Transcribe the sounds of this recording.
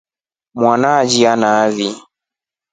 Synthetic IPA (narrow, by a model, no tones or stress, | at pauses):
mwanad͡ʒianaːði